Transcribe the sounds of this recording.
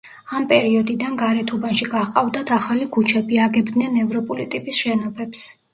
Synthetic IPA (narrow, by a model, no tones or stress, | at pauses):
ampʼɛɾiɔd̪id̪anɡaɾɛt̪ʰubanʃiɡaqʼavd̪at̪ʰaχalikʰut͡ʃʰɛbiaɡɛbd̪nɛnɛvɾɔpʼulit̪ʼipʼisʃɛnɔpʰɛps